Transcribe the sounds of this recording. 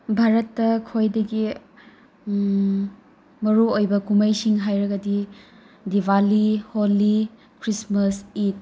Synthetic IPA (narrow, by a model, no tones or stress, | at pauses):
bʱaɾɐtːɐkʰojdɐɡi | mɐɾuojbɐkumɐjsiŋɦajɾɐɡɐdi | dibaliholi | kʰɾismɐsit̚